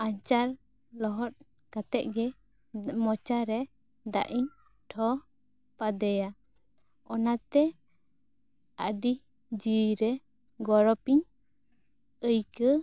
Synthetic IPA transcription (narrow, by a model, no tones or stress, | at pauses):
aɲt͡ʃaɾ | lɔɦɔt̪̚ | kat̪ɛʔ̚ɡɛ | mɔt͡ʃaɾɛ | d̪a̰ʔiɲ | ʈʰɔ | pad̪ɛja | ɔnat̪ɛ | əɖi | d͡ʒiɾɛ | ɡɔɾɔpiɲ | əjkə